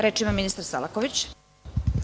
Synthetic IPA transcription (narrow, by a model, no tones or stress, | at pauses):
ɾe̞ːt͡ʃimaminist̪aɾsa̰lˠakoʋit͡ɕ